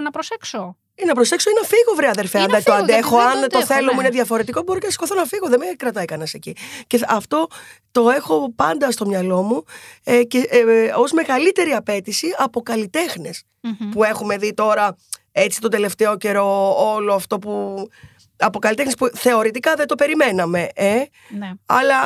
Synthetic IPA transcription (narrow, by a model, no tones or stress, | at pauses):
nɐpɾosekso | inɐpɾose̞ksoinɐfiɣo̞vɾeɐðe̞ɾfeɐnd̪ɐt̪oɐnd̪exoɐnt̪o̞θe̞lo̞muineðjɐfo̞ɾe̞t̪iko̞bo̞ɾocenɐsi̥ko̞θonɐfiɣo̞ðemekɾɐt̪ɐekɐnɐse̞cice̞ɐft̪o̞t̪o̞e̞xo̞pɐnd̪ɐst̪o̞mɲɐlo̞muceo̞zme̞ɣɐlit̪e̞ɾiɐpe̞t̪isiɐpo̞kɐlit̪e̞xnes | pue̞xume̞ðit̪o̞ɾɐe̞t͡si̥t̪od̪e̞le̞ft̪e̞o̞ce̞ɾo̞olo̞ɐft̪o̞pu | ɐpo̞kɐlit̪enespuθe̞o̞ɾit̪ikɐðet̪o̞pe̞ɾime̞nɐme̞ʔe | ɐ̰lɐ